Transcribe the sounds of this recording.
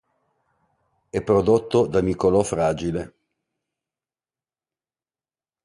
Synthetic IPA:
ɛpːɾod̪ot̪ːod̪amikolɔfɾaːd͡ʒile

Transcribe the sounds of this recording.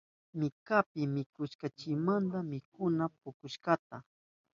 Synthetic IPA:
mɪkapɪmɪkʊʃkat͡ʃɪmant̪amɪkʊnap̚ʊkʊʃkat̪a

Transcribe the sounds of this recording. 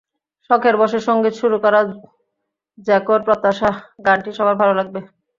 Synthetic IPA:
ʃɔkʰeɾbɔʃeɾʃoŋɡit̪ʃuɾukɔɾa | d͡ʑɛkoɾpɾot̪ːaʃaɡaɳʈiʃɔbajbʱaloɾaɡ̚be

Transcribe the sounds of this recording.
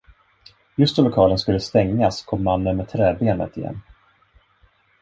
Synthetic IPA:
jɵst̪ɔlʊkʰɑːlənskɵlːəst̪ɛŋːaskʰɔmːanːənmɛt̪ʰɾɛːbeːnə̰t̪ɪjɛ̰nː

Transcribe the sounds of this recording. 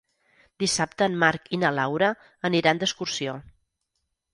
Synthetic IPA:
d̪isap̚t̪əːnmaɾkinəlawɾə | əniɾand̪əskursio

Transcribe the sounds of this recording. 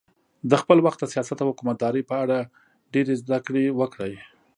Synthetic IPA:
d̪əxpəlwaxt̪̚d̪əsijɑsat̪awhʊkumat̪̚d̪ɑɾəjpəaɽa | ɖeɾezd̪akɽewəkɽəj

